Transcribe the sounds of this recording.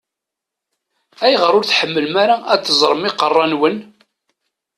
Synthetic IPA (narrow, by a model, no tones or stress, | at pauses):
æjʁəɾˤʊɾθħəmːəlmaɾaʔæt͡s̪ːəzˤɾˤəmɪqərˤːɑnwən